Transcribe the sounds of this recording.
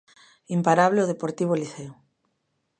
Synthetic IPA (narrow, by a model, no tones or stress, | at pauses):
impaɾaβ̞leoð̞epoɾt̪iβ̞oliθeo